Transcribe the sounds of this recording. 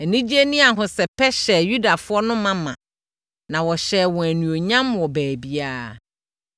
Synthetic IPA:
æ˨nĩ˦d͡ʑi˦e˦nĩ˦a˨ɦʊ̃˨sɛ˨pʰɛ˦ɕɛ˨ju˦da˨fʊ˦ɔ˦nʊ̃˦mã˦mã̰˨ | nã˨wɔ˨ɕɛː˨wɔ̃˨æ˨nũ˨o˨ɲã˦mwɔ˨bæː˨bi˦a˦

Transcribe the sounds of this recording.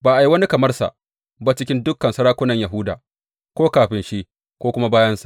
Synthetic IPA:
baː˨ʔa˨ji˦wɐ˦ni˦kɐ˨mɐ˦rsa̰˨ʔ | ba˦t͡ʃɪ˦kʲɪ˦ndʊ˦kːɐ˨nsɐ˦ɾaː˦kʷʊ˦nɐ˨ɲjɐ˨ɦʊ˦daː˨ | kʷoː˦kaː˨ɸɪ˨nʃi˦ | kʷoː˦kʷʊ˦ma˦baː˦jɐ˦nsa˨

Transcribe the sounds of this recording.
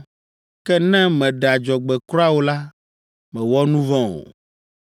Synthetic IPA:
kɛ˦nɛ̃˦mɛ̃˨ɖa˨d͡ʒɔ˨ɡ͡bɛ˨kɾɔ˦a˦wo˨la˦ | mɛ̃˨wɔ˦nũ˦vɔ̃˦o̰˨

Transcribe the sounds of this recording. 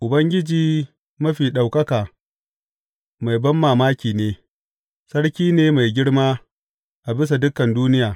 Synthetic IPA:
ʔʊ˨bɐ˦ŋɡʲɪ˦d͡ʒiː˨ | mɐ˦ɸiː˨ɗa˨wkɐ˦kaː˨ | ma˨jbɐ˦mːaː˨maː˦kʲiː˨neː˦ | sɐ˦ɽkʲiː˦neː˦ma˨jɡʲɪ˦ɽmaː˦ | ʔa˨bɪ˦s̬a˨dʊ˦kːɐ˨nduː˦nɪ˦jaː˨

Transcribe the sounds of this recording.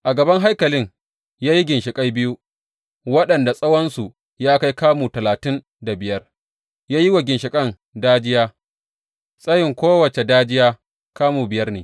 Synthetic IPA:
ʔa˨ɡɐ˨bɐ˦ŋɦa˦jkɐ˨lɪ˦ŋ | jaː˦ji˦ɡʲɪ˨nʃɪ˨kʼa˦jbɪ˦ju˦ | wɐ˦ɗɐ˨nda˨sʼɐ˦wɐ˦nsu˨ | jaː˦ka˦jkaː˦muː˨tɐ˨laː˨tɪ˦n | da˨bɪ˨jɐ˦r | jaː˦ji˦wɐ˨ɡʲɪ˨nʃɪ˨kʼɐ˦n | daː˦d͡ʒɪ˦jaː˦ | sʼɐ˦jɪ˨ŋkʷoː˦wɐ˨t͡ʃe˨daː˦d͡ʒɪ˦jaː˦ | kaː˦muː˨bɪ˨jɐ˦rnḛː˨

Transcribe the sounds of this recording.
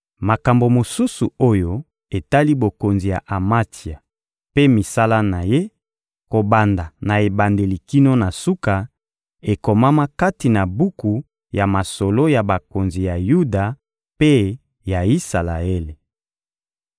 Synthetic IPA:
ma˨ka˨mbo˨mo˨su˦su˨o˦jo˦ | e˨ta˦li˦bo˨ko˨nzi˨ja̰˨ʔa˨ma˦ti˨a˨ | pe˦mi˨sa˦la˦na˨je˦ | ko˨ba˨nda˨na˨e˨ba˨nde˨li˨ki˦no˦na˨su˦ka˨ | e˨ko˨ma˦ma˦ka˦ti˨na˨bu˦ku˨ | ja˨ma˨so˨lo˦ja˨ba˨ko˨nzi˨ja˨ju˦da˨ | pe˦ | ja˨i˦sa˨la̰˨e˦le˨

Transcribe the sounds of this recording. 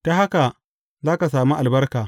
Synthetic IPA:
ta˦ɦa˦ka˨ | zaː˦ka˨saː˨mu˦ʔa˨lbɐ˦rkaː˨

